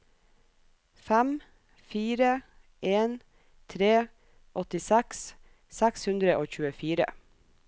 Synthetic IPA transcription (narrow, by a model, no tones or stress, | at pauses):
fæm | fiːɾə | ʔeːn | t̪ʰɾeː | ʔɔt̪ɪsɛks | sækshʉnd̪ɾəʔoːçʉːəfiːɾə̰